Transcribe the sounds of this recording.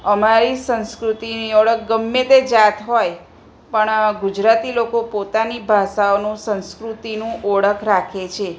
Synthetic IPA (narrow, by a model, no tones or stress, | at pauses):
əmaɾisə̃nskɾut̪iniɔɭəkʰɡəmːet̪ed͡ʒat̪ɦoj | pəɳɡud͡ʒɾat̪ilokopot̪anibʱaʃaonũsə̃nskɾut̪inũʔɔɭəkʰɾakʰet͡ʃʰe